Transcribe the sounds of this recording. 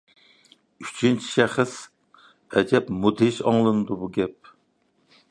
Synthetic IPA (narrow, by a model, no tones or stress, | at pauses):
yt͡ʃʰint͡ʃʰi̥ʃɛχəs | ɛd͡ʒɛpmud̪ɪʃɑ̰ŋlˠɨnɨd̪ubuɡʲɛp̚